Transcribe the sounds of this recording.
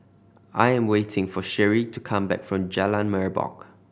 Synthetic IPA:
ʔajɛ̃mwetʰɪ̃ŋfɔʃɛɹitukʰãmbɛ̰kfɹɔ̃md͡ʒɛlãnmɛɹbɔ̰k

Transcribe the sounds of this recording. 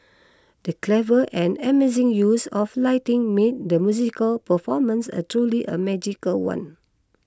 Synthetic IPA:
dəklɛvəʔɛ̃nɛmezĩŋjusɔflaɪtĩŋmet̚dəmjuzikəlpəfɔmə̃nsa̰tɹuliʔə̰mɛd͡ʒikəlwã̰n

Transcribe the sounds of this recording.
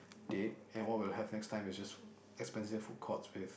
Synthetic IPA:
d̥et̚ɛ̃nwɔt̚wilhɛvnɛkstʰãɪ̃mɪsd͡ʒas | ɛkspɛ̃nsɪvfut̚kʰɔtswɪð

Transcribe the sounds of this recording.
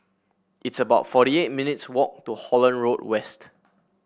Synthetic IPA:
itsəbaʊtfɔɾiet̚minitswɔk̚tuhɔlə̃nɹodwɛst

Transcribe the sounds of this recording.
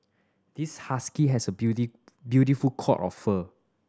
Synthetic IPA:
d̥ishaskiɦɛsəbuti | bjutifulkʰɔ̰tɔ̰fːə

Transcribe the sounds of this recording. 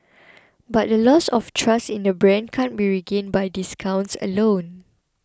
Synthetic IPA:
bat̚dəlɔsɔftʰɹastĩndəbɹɛ̃nkʰãnbiɹiɡẽnbajdiskʰãw̃nsə̰lõn

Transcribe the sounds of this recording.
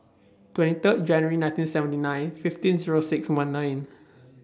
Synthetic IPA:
twɛ̃ntit̪ət̪̚d͡ʒɛ̃njəɹinãj̃ntĩnsɛvə̃ntinãj̃nfiftĩnziɹosɪkswãnːãjn

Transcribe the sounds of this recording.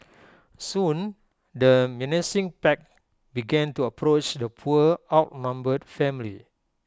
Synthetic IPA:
sũn | dəmɛ̃nisĩŋpɛk̚ | biɡɛ̃ntuəpʰɹot͡ʃdəpʰuəawt̚nãmbədfɛ̃mlḭ

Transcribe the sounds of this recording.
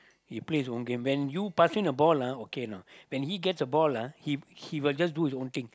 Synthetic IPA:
hipleisõnɡẽmwɛ̃njupasɪ̃nəbɔlaokenawɛ̃nhiɡɛtsəbɔlahihiwild͡ʒas̬duhis̬õnt̪ĩŋ

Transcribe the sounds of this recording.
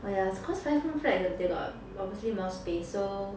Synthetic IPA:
ojasokʰɔsfaɪfũnfɹɛɛdeɡɔ̰t̚ | ɔbviəslimɔspesso

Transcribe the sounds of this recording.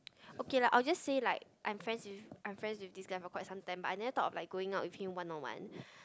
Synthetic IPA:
okelaʔaɪld͡ʒasːelaɪk̚ʔã̰ɪ̃mfɹɛ̃nswifʔãj̃mfɹɛ̃nswifdisɡaɪfɔkwaɪtsãmt̪ãɪ̃mba̰tajnɛvət̪ɔtɔflaɪk̚ɡoɪ̃ŋaʊt̚wifhĩmwãnɔnwã̰n

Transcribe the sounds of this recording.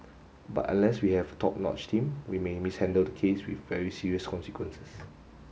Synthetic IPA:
ba̰tã̰nlɛswihɛvətʰɔp̚nɔ̰t͡ʃtʰĩmwimemishɛ̃ndəldəkʰeswḭθvɛɹisiɹiəskʰɔ̃nsikwə̃nsə̥s

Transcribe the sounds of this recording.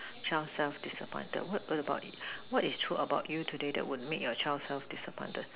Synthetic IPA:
t͡ʃalsɛlfdisəpʰɔ̰̃ɪ̃ntə̰d̚wɔtwɔtəbaʊtwɔtistʰɹuʔəbaʊtjutʰudedɛ̰ʔ̚wud̚mekjɔt͡ʃaɪlsɛlfdisəpʰɔ̃ntəd̥̚

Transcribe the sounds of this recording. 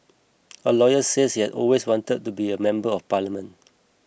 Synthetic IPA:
əlɔjəseshiɛdɔ̰lweswɔ̃ntəd̚tːubiəmɛ̃mbəɔfpalimə̃n

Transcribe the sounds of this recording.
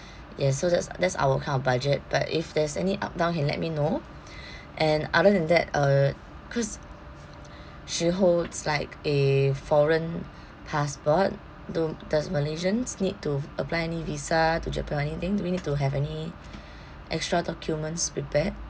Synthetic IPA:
jɛsodɛtsdɛtsa̰ʊəkʰãɪ̃ndɔbad͡ʒət̚b̥a̰tḭfdɛsɛ̰niʔa̰p̚dãʊnkɛ̃nlɛ̰t̚mino | ʔɛ̃na̰dədɛ̃ndɛt̚ʌ | kʰɔs | ʃiɦoldslaɪkefɔɹə̃n | pʰaspɔt̚ | dudɔsməled͡ʒə̃nsnid̚tuəplaɪɛnivisatud͡ʒɛpə̃ɛnit̪ɪ̃ŋduwinid̚tuɦɛvɛni | ʔɛ̰kstɹadɔkʰjumə̃ntspɹipɛt̚

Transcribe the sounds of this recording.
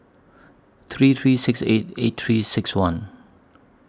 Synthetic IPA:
t̪ʰɹit̪ʰɹisɪksḛt̚et̚t̪ʰɹisɪkswãn

